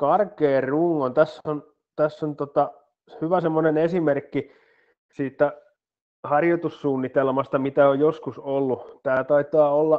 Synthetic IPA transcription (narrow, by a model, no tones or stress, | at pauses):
kɑrkeːrruːŋːont̪æsːon | t̪æsːont̪ot̪ɑ | hyʋæsemːonenesimerkːi | siːt̪ːˑæ | hɑrjot̪usːuːnːit̪elmɑst̪ɑmit̪æojjoskusolːut̪æːt̪ɑit̪ɑːolːɑ